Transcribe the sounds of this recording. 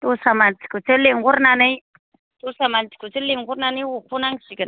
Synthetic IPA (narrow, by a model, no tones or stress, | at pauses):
tusamanti̥kut͡səliŋɡuɾnani | tusamanti̥kut͡siliŋɡuɾnaniwukunaŋʃiɡən